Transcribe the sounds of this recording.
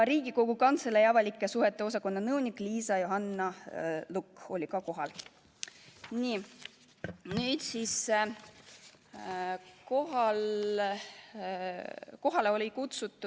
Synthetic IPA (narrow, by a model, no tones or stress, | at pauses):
ɾiːɡ̥iko̞ɡ̥ukɑnt̪selejɑvɑlʲikːˑesuhe̞t̪ˑːe̞o̞s̬ɑko̞nːɑnɤwnikˑliːsɑjoɦɑnːɑluko̞lʲikɑko̞ɦɑl | niː | nyːd̪sis | koɦɑl | ko̞ɦɑleo̞lʲikut̪sut̪ːˑu